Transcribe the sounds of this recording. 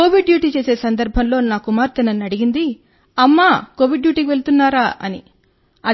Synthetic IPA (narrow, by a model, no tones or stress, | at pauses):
ko̞ːʋiɖɖjuːʈiːt͡ʃe̞ːse̞ːsɐnd̪ɐɾbʱɐnlo̞ːnaːkumaːɾt̪ɐnɐnɐɽiɡind̪i | ɐmːaːko̞ːʋiɖːjuːʈikiʋe̞ɭt̪unːaːɾaːʔɐ̰nḭ | ɐ